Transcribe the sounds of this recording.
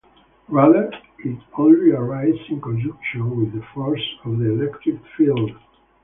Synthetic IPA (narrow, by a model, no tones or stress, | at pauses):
ɹalək | ɪtɔ̃niəɹaɪzɪ̃nkɔ̃nd͡ʒukʃə̃nwɪðəfɔɹsɔvðiɛlɛktɹɪkfilˠd